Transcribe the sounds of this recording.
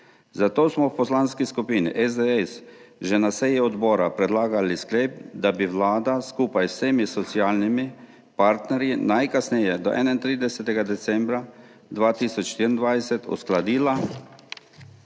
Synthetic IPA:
zat̪oːsmɔwpɔslanskiskupiːnḭʔɛzd̪ɛɛsʒɛnasɛjiɔd̪bɔːɾapɾɛd̪laːɡalisklepd̪abiwlaːd̪askuːpajwseːmisɔsiaːlnimi | paɾt̪nɛɾjinajkasnɛjɛd̪ɔʔɛ̰naint̪ɾiːd̪ɛsɛt̪ɛɡad̪ɛt̪sɛmbɾa | d̪ʋaːt̪iːsɔt͡ʃʃt̪iːɾind̪ʋajsɛt̪ṵsklad̪iːla

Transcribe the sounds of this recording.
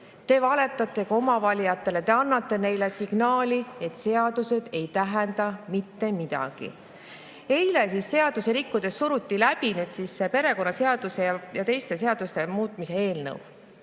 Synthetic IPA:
t̪e̞ːvɑle̞t̪ːˑɑt̪ːˑe̞kɑomɑvɑlʲiɑt̪ːˑe̞let̪e̞ɑnːɑt̪ːe̞ne̞jle̞siɡ̥nɑːlʲie̞t̪se̞ɑd̪̥use̞d̪̥e̞jt̪æɦɛnd̪̥ɑmit̪ːe̞mid̪̥ɑ̰ɡ̥ḭ | e̞jlesisːe̞ɑd̪̥use̞ɾikːud̪̥e̞ssuɾut̪ːilæb̥inyːd̪siːsːepe̞ɾe̞ko̞nːɑse̞ɑd̪̥use̞jɑjɑt̪e̞jst̪e̞se̞ɑd̪̥ust̪e̞muːt̪ˑmise̞e̞ːlnɤ̰w

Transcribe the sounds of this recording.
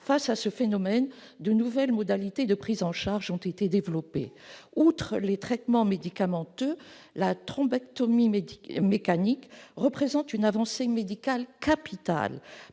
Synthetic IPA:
fasasəfenɔmɛn | d̪ənuvɛlmɔd̪alit̪ed̪əpχizɑ̃ʃaʁʒɔ̃t̪et̪ed̪evlɔpḛut̪χəlet̪χɛt̪mɑ̃med̪ikamɑ̃t̪ø | lat̪χɔ̃bakt̪ɔmimekanikʁəpχezɑ̃t̪ynavɑ̃semed̪ikalkapit̪a̰l

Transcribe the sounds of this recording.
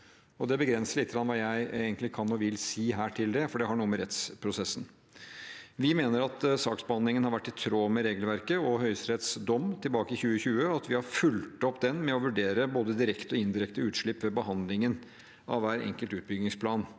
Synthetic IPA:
ɔd̪ɛbəɡɾɛnsəɭit̪ːəɡɾɑnʋɑːjæɪeɡənlɪkʰɑnːɔʋɪlsiːɦæːʈʰɪld̪ɛfɔɖɛɦɑɳuːəməɾɛt̪spʰɾʊsɛsːn̩ | ʋɪmeːnəɾɑt̪sɑːksbəhɑnd̪lɪŋənhɑɾʋæʈːɪt̪ʰɾoːmɛɾeːɡəlʋæɾkəɔɦœʏsɾɛt̪sd̪ɔmt̪ʰɪlbɑːkəɪçʉːəçʉːəɑt̪ʋɪhɑɾfʉlt̪ɔpːd̪ɛnmɛɔʋʉɖeːɾəboːd̪əd̪ɪɾɛkt̪ɔɪnd̪ɪɾɛkt̪əʉːt̪ʂɭɪpːʋɛbəɦɑnd̪lɪŋən | ʔɑ̰ʋʋæːɾɛ̰ŋkəlt̪ʉːt̪̚bʏɡnɪŋspʰlɑːn

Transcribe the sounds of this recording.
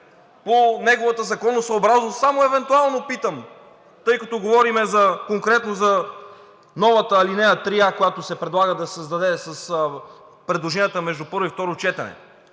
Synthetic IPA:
ponɛɡovɐt̪əzɐkɔnːosɐːbɾaznosamoɛvɛnt̪ualˠnopit̪əm | t̪ɤjkɐt̪ɔɡovɔɾimɛzɐkoŋkɾɛt̪nozɐ | nɔvɐt̪əlinɛjət̪ɾiakojat̪osɛpɾɛd̪lˠaɡəd̪ɐsɐzd̪ɐd̪ɛsɐs | pɾɛd̪lˠoʒɛnijət̪əmɛʒd̪upɤɾvoift̪ɔɾot͡ʃɛt̪ɐnɛ̰

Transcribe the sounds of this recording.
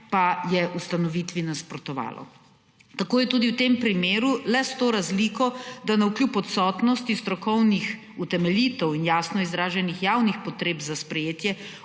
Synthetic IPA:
pajɛʔust̪anɔʋit̪ʋinaspɾɔt̪ɔʋa̰ːlɔ̰ | t̪akoːjɛt̪uːd̪iwt̪empɾimeːɾulɛst̪oːɾazliːkɔd̪anauklʲjupɔt̪sɔːt̪nɔst̪ist̪ɾɔkɔwnix | ut̪ɛmɛlʲit̪ɔwinjaːsnɔizɾaːʒɛnixjawnixpɔt̪ɾeːbzaspɾɛjeːt̪jɛ

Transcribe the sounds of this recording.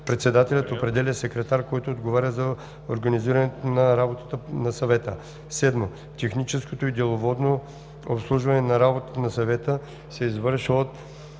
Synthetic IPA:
pɾɛt̪sɛd̪at̪ɛlʲət̪opɾɛd̪ɛlʲəsɛkɾɛt̪aɾkɔjt̪oːd̪ɡovaɾʲəzɐ | o̰ɾɡɐniziɾɐnɛt̪onɐɾabot̪ə̥t̪ənɐsɐvɛt̪ə | sɛd̪mo | t̪ɛxnit͡ʃɛskot̪oid̪ɛlˠovɔd̪no | o̰pslˠuʒvɐnɛnɐɾabot̪ə̥t̪ənɐsɐvɛt̪ə | sɛizvɤɾʃvot̪

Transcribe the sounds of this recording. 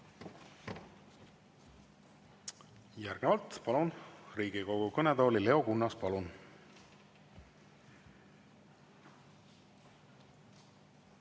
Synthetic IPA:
jæɾɡ̥evɑlt̪pɑlunriːɡiko̞ɡ̥ukɤned̪o̞ːlile̞o̞kunːɑspɑlun

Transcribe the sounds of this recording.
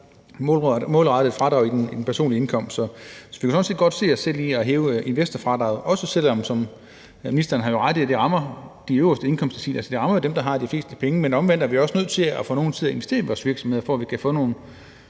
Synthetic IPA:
mɔmɔːlʁɑ̈d̥ð̩ˠfʁɑ̈d̥ʁɑ̈ʊid̥enid̥enpʰæɐso̝̰ːnlie̝nkʰɒ̽m̰sd̥sɒ̽sɒ̽ʋikʰæsɒ̽nse̝̰ːdɡɒ̽d̥se̝̰ːɒsel̰ːiːɒɦeːʊe̝nʋesd̥ɐfʁɑ̈d̥ʁɑ̈ʊɒ̽səsel̰ɒ̽msɒ̽m | minisd̥ɐɐnəɦɑ̈jo̝ʁɑ̈d̥ˠæd̥e̝ʁɑ̈mɐd̥iøʊɐsd̥əe̝nkʰɒ̽m̰sd̥sʰḭːlælsəd̥e̝ʁɑ̈mɐjo̝d̥emd̥ɑ̈ɦɑ̈d̥ifle̝̰ːsd̥əpʰeŋəmenɒ̽mʋen̰d̥ɐʋiɒ̽snøð̰ˠt͡sʰe̝læfɔ̽ːno̝ːn̩t͡sʰiðˠɐe̝nʋe̝sd̥e̝ːɐiʋɒːsʋiɐɡ̥sɒmhe̝ðˠfɒæʋikʰæfɔ̽ːno̝ːn̩

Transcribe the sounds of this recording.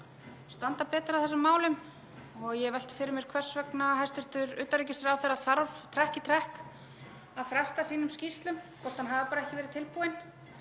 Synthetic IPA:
st̪ant̪apɛːt̪ɾawθɛs̬ʏmːaːwlʏm | ɔɣjɛvɛl̥t̪fɪɾɪɾmjɛɾ̥kʰvɛr̥svɛknaɦajst̪ɪɾ̥t̪ʏɾʏːt̪aɾiːcɪsɾawθɛɾːaðθaɾvt̪ʰɾɛhcɪt̪ʰɾɛhk | aðfɾɛst̪asiːnʏmscist̪lʏmkɔr̥t̪hanɦavapaːɾaɛhcɪvɛːɾɪt̪ʰɪlpuːɪn

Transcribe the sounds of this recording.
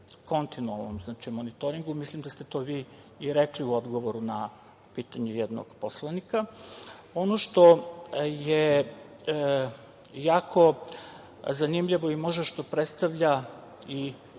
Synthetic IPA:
ko̞nt̪inualˠno̰mznaːt͡ʃimonit̪oɾiŋɡumislimd̪ast̪et̪o̞ʋiː | ɾekliuod̪ɡo̞ʋo̞ɾuna | piːt̪aɲejɛd̪no̰ɡ̥poslˠanika | o̞noʃt̪o̞je | jaːkʰo̞ | zanimʎiʋo̞imo̞ʒd̪aʃt̪o̞pɾet̪st̪aʋʎa | i

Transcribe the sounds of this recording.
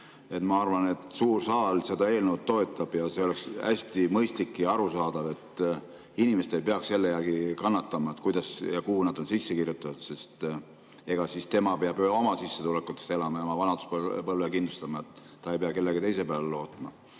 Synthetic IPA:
e̞t̪mɑɑrvɑne̞t̪suːrsɑːlse̞d̪ɑe̞ːlnewt̪̚t̪ːo̞e̞t̪ːˑɑb̥jɑse̞o̞le̞ksæ̰sʲt̪imɤjst̪likːiɑɾusɑːd̪̥ɑve̞t̪ | inimeset̪ejpeɑksse̞lːejærɡ̥ikɑnːɑt̪ːɑmɑet̪ːˑkujd̪̥ɑsjɑkuhunɑd̪̥onsisːekirjut̪ːˑɑt̪ud̪se̞st̪ | e̞ɡ̥ɑsist̪e̞mɑpeɑbo̞mɑsisːe̞t̪ulekːˑut̪ːˑe̥st̪e̞lɑmɑjɑmɑvɑnɑd̪̥u̥sppɤlvekind̪lust̪ɑmɑet̪ːɑejpeɑke̞lːeɡit̪e̞js̬e̞pælelo̞ːt̪ˑmɑ

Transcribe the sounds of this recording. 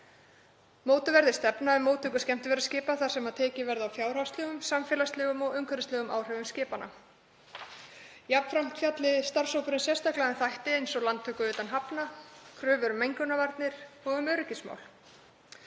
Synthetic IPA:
moːwt̪ʏvɛɾðɪ̥st̪ɛpnaɛmːoːwt̪ʰʏːkʏ̥scɛm̥t̪ɪvɛɾḁscɪːpaθaɾ̥sɛmaðt̪ʰɛːcɪvɛɾðawfjaːwɾ̥awst̪lɛɣʏmsamfɛːlast̪lɛːɣʏmɔɣʏŋkʰœɾɪst̪ɛɣʏmʔa̰wr̥ɛvʏmscɪːpanʔa̰ | japn̥fɾam̥t̪fjat̪lɪst̪aɾ̥sowpʏɾʏnsjɛst̪ahklaðɛnθajht̪ɪejnsɔlant̪ʰœkʏʏːt̪anɦapnakʰɾʏːvʏɾʏmːejŋkʏnavaɾt̪nɪɾ̥ɔɣʏmœɾʏcɪsma̰wl

